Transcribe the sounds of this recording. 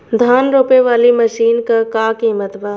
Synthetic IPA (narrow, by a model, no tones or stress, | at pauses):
d̪ʱaːnɾoːpeʋaːliməʃiːnkakaːkiːmət̪baː